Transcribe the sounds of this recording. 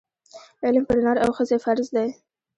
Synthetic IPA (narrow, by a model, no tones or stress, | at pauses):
ɪlmpəɾɪnɑɾawxəzefaɾzd̪aj